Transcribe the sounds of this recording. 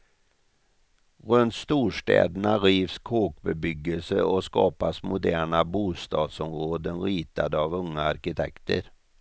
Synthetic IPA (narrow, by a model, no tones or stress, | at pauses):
ɾɵnt̪st̪uːʂʈɛ̰ːd̪ənaɾiːvskʰoːk̚bɛbʏɡːəlsəɔskɑ̰ːpasmʊd̪æːɳabuːst̪ɑːd̪sɔmɾoːd̪ənɾiːt̪ad̪əavɵŋːaaɾkɪt̪ʰɛ̰kt̪ə̰ɾ